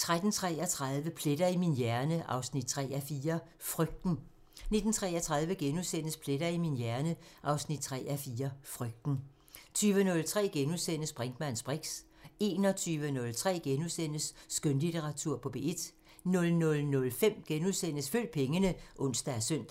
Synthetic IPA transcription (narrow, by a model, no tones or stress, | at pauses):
t͡sʰʁad̥n̩t͡sʰʁɛ̰ːɒt͡sʰʁɑ̈ðˠʋəpʰle̝d̥ɐiminjæɐnəʔɑ̈ʊsnid̥̚t͡sʰʁɛ̰ːæfiːɐ | fʁœɡ̥̚d̥n̩ | ne̝d̥n̩t͡sʰʁɛːɐt͡sʰʁɑ̈ðˠʋəɡ̥enuðˠsen̰əspʰle̝ɾ̥ɐiminjæɐnəʔɑ̈ʊsnid̥̚t͡sʰʁɛ̰ːæfiːɐfʁœɡ̥̚d̥n̩ | t͡sʰyːʋənɔ̽lt͡sʰʁɛ̰ːɡ̥enuðˠsen̰əsb̥ʁɛŋd̥mænsb̥ʁeɡ̥s | e̝ːnɒ̽t͡sʰyːʋənɔ̽lt͡sʰʁɛ̰ːɡ̥enusen̰əsːɡ̥ønlit͡sʰeʁɑ̈t͡sʰuɐ̰pʰɒ̽b̥e̝̰ːe̝d̥ | nɔ̽lnɔ̽lnɔ̽lfem̰ɡ̥enuðˠsen̰əsfø̰ːld̥̚pʰeŋənəʔɔ̽n̰sd̥ææɐsœn̰d̥